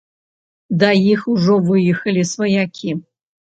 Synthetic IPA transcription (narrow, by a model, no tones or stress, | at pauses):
d̪ɐjixuʐɔvɨjɨxɐlʲisvɐjakʲʰi